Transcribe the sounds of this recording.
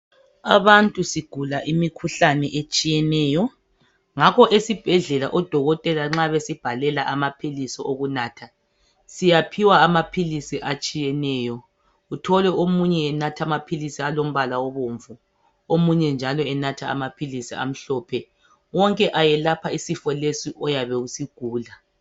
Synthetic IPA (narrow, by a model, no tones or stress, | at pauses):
aβantʼusiɡ̥ʱulaʔimikʰuɬanɛʔet͡ʃʼijɛnɛːjɔ | ŋakʰɔʔesib̥ʱɛɮɛla̰ʔɔd̥ʱɔɣɔtʼɛlaŋ͡ǁaβesib̥ʱalɛlaʔamapʰilisɔʔoɣunaːtʰa | sijapʰiwaːmapʰilisiʔat͡ʃʼijɛnɛːjɔ | utʰɔlɛomuɲɛːnatʰamapʰilisialom̩βalawɔβoɱvu | omuɲɛnd͡ʒʱalɔɛnatʰaa̰mapʰilisia̰m̩ɬɔːpʰɛ | wɔŋkʼɛʔajɛlapʰaisifɔlesiʔɔjaβɛɣusiɡ̥ʱuːla